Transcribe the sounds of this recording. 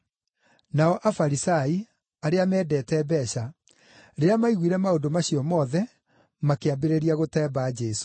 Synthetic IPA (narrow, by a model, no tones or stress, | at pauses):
naɔʔafaɾisai | aɾeamɛːdɛːtɛːbɛɕa | ɾeɾeamaiɣwiɾɛmaodomaɕiɔmɔðɛ | makeabeɾeɾiaɣotɛːbaːd͡ʑɛso̥